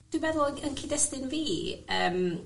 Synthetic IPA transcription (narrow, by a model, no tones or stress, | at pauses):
d̥wibɛðʊlˠəənkʰidɛstɪnviːəːm